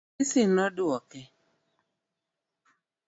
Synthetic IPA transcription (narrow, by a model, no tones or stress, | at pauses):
ɪsɪnɔdʊwɔkɛ